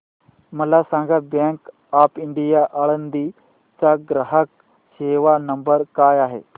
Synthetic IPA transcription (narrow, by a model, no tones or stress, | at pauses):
məlasãŋɡabɛ̃ŋk | apiɳɖijaʔaɭənd̪i | t͡saɡɾəɦək̚ | ɕeʋanəmbəɾkaːjaɦḛ